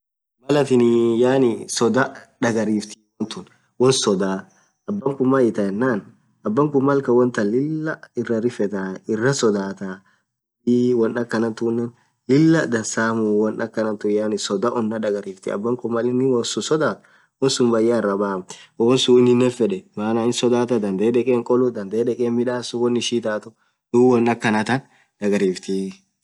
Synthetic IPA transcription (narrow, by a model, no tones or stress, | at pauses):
mɐlɐt̪ɪnɪjaːnɪsɔd̪ɐᶑɐɡɐɾiːft̪ɪ̥wɔnt̪ʊn | wɔnsɔd̪aː | ɐbːɐŋkʊmːajɪt̪ɐjɛnːaːn | ɐbːɐŋkʊmːɐlkɐwɔnt̪ɐlɪlːɐɪrɐɾɪfɛt̪aɪrːɐsɔd̪aːt̪a | iwɔnɐkːɐnɐnt̪ʊnːɛn | lɪlːɐd̪ɐnsaːmʊwɔnʔɐkːɐnɐnt̪ʊjanɪsɔd̪aʔɔnːɐᶑɐɡɐɾiːft̪ɪ̰ɐ̰bːɐŋkʊmːɐlɪnːɪwɔsʊsɔd̪aːt̪ | wɔnsʊmbɐjːaːɪrːɐbaːmwɔːnsuɪnːɪnːɛfɛᶑɛmaːnaɪnsɔd̪aːt̪ɐd̪ɐnd̪eːᶑɛkʼeːŋkʼɔlʊd̪ɐnd̪eːᶑɛkʼeːnmɪᶑaːsʊwɔnːɪʃiːt̪aːt̪ʊ | d̪̥uwɔnːɐkːɐnɐt̪ɐn | ᶑ̪ɐɡɐɾiːft̪ɪ